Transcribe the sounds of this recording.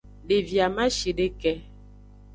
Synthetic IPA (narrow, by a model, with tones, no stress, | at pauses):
ɖe˨vja˨ma˦ʃi˨ɖe˦kɛ˦